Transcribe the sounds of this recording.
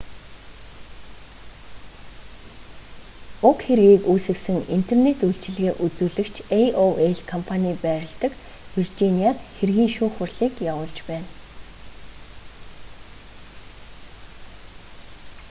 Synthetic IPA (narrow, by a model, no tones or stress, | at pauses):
ʊkxeɾɣiːkuːsɘ̆ksɘ̆ŋin̥t̪ʰernet̪uɬt͡ɕɪ̆ɮɣeːʔut͡suːɮɘ̆kt͡ɕʰeoeɮkʰɔmpʰanʲiːpæːɾʲɪ̆ɮt̪ə̆k | wirt͡ɕiniaːt̪xerɣiːŋʃuːxʊrɮiːkjawʊːɮt͡ɕpæːn